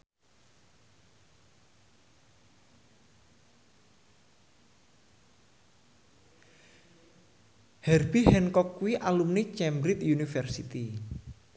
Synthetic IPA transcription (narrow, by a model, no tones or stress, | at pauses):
hɛrbihɛnkɔkːuwiʔalumnit͡ʃɛmbɾit̪junifɛrsit̪i